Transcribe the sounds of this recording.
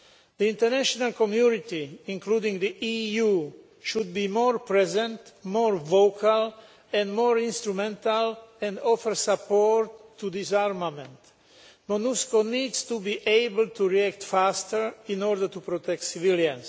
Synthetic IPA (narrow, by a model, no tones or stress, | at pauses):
d̪iĩnt̪əɹnæʃonalkɔmjunit̪iĩŋkluːdĩŋd̪iʔiju | ʃud̪̚bimɔɹpɹɛzɛ̃nt̪mɔːɹvokʰal | ɛ̃ndmɔɹĩnst̪ɾumɛ̃nt̪alɛ̃ndɔfəɹsapɔɾt̪ʰːud̪isaɹmamɛ̃nt̪ | monuskoniːd̪st̪ubiʔeɪbəlt̪ʰuɹiæk̚t̪fast̪əɹĩnɔɹd̪əɹt̪upɾot̪ɛk̚t̪siviljãns